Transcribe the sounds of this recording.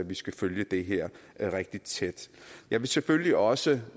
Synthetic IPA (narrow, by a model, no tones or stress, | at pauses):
æʋisɡ̥æføljəd̥e̝ɦeɐ̰ʁɛɡ̥̚d̥id̥t͡sʰed̥jɑ̈ɪʋe̝sefølliʔɒ̽sə